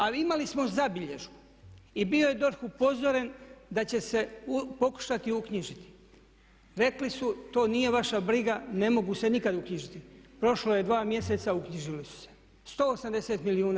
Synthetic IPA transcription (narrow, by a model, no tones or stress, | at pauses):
alimalismo̞zabiʎe̞ʒu | ibio̞jed̪o̞ɾxupo̞zo̞ɾend̪at͡ɕe̞se̞upo̞ku̥ʃat̪iukɲiʒit̪i̥ | ɾe̞klisut̪o̞ːnije̞ʋaʃabɾiɡane̞mo̞ɡuse̞nikad̪ukɲiʒit̪ipɾo̞ʃloje̞d̪ʋaːmje̞se̞t̪saukɲiʒilisu̥se̥ | st̪o̞ːosamd̪e̞se̞ːt̪miliuːna